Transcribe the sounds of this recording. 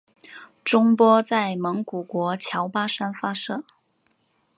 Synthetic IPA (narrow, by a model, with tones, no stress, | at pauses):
ʈ͡ʂʊ˥ŋpwɔ˥t͡sa˥˩ɪmɤ˧˥ŋku˨˩kwɔ˧˥t͡ɕʰjɑ˧˥ʊpa˥ʂa˥nfa˥ʂɤ˥˩